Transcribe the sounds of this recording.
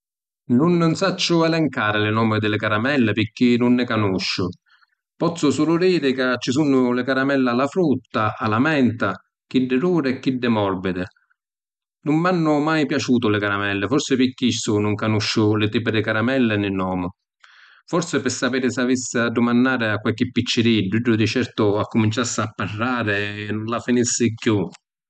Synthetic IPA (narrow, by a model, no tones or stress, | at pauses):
nʊnːnsat͡ʃːʊɛlɛŋkaːɾɪlɪnɔːmɪd̪ɪlɪkaɾamɛlːɪpɪkːinʊnːɪkanuʃːʊ | pɔt̪sːʊsuːlʊd̪iːɾɪkat͡ʃːisunːʊlɪkaɾamɛlːalːafɾut̪ːaalamɛnt̪a | k̟id̪ːɪɾuːɾɪɛk̟ːid̪ːɪmɔrbɪd̪ɪ | nʊmːanːʊmajpjat͡ʃuːt̪ʊlɪkaɾamɛlːɪfɔɾsɪpikːisːʊnʊŋkanuʃːʊlɪt̪iːp̬ɪd̪ɪkaɾamɛlːɪnɪnːɔːmʊ | fɔɾsɪpɪsːapiːɾɪsavisːɪad̪ːʊmanːaːɾɪakːwalk̟ɪpːit͡ʃːɪɾidːiɖːʊd̪it͡ʃɛɾt̪ʊakːʊmint͡ʃasːɪapːarːaːɾɪnʊnlafinisːɪkːju